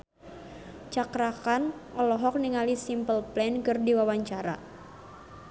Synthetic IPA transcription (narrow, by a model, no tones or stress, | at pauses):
t͡ʃakɾakanʔɔlɔɦɔk̚niŋalisimpəlplɛnkɨrdiwawaɲt͡ʃaɾa̰